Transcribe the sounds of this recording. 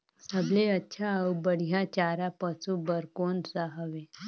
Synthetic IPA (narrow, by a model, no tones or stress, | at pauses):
səbleətːɕʰaəwbəɽ̤ijat͡ɕaɾapəsũbəɾkonsaɦəʋe